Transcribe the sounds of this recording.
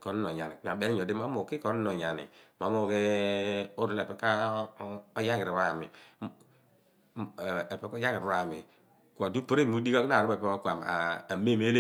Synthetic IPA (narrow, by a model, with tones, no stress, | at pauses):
ko˨n˦no˨ɲa˨nḭ˨˦˨a˨ɓe˦ɲo˨di˦ma˦mo˨ki˦ko˨n˦no˨ɲa˨nḭ˨ma˨˦mo˨ke˦ | o˦ɾu˦le˨pe˨˦ka˦ | o˦ja˦ŋi˨ɾi˨ɾa˨mḭ˨ | e˨pe˨˦ko˦ja˦ŋi˨ɾɾa˨mi˨ | ka˨du˦po˦ɾe˦˨mu˦di˦ka˦kna˨ɾu˦be˨pe˦o˦kʷa˨m˨a̰˨a˨me˦˨me˦l